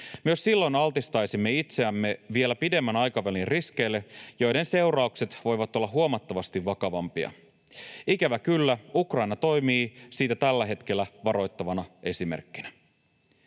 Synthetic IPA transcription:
myøssilːo̞jnɑlt̪ist̪ɑjsimːe̞it̪seæmːe̞ʋie̞læpide̞mːænɑjkɑʋælinriske̞jlːe̞jo̞jde̞nse̞wɾɑukse̞t̪ʋo̞jʋɑt̪o̞lːɑɦuomɑt̪ːɑʋɑst̪iʋːɑkɑʋɑmpiɑ̰ | ikæʋækylːæukrɑjnɑt̪o̞jmiːsiːt̪æt̪ælːæɦe̞t̪k̟e̞lːæʋɑɾo̞jt̪ːɑʋɑnɑe̞simḛrkːinæ

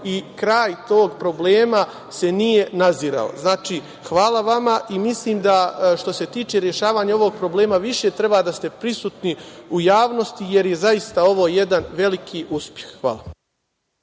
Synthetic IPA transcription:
ikɾaːjt̪o̞ːɡpɾo̞ble̞ːma | se̞nije̞naziːɾa̰o̰znaːt͡ʃiː | xʋaːlˠaʋamaʔimisliːmd̪aʃt̪o̞se̞t̪iːt͡ʃe̞ɾje̞ʃaːʋaːɲao̞ʋo̞ɡ̚pɾo̞ble̞ːmaʋiʃe̞t̪ɾe̞baːd̪ast̪e̞pɾisuːt̪niujaːʋno̞st̪ije̞ɾje̞zaist̪ao̞ʋo̞ːje̞d̪anʋe̞likʰiːʔuspje̞xxʋa̰ːlˠa

